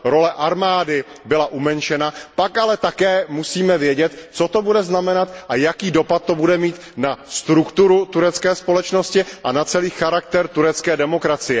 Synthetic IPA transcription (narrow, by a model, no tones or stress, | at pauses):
ɾo̞lɛʔaɾmaːdɪbɪlaʔumɛnt͡ʃɛnapakalɛt̪akɛːmusiːmɛvjɛɟɛt̪t͡so̞t̪o̞budɛznamɛnat̪ʔajakiːdo̞pat̪̚ːo̞budɛmiːt̪nast̪ɾukt̪uɾut̪uɾɛt͡skɛːspo̞lɛt͡ʃno̞scɪʔanat͡sɛliːxaɾak̚t̪ɛɾt̪uɾɛt͡skɛːdɛmo̞kɾat͡sɪjɛ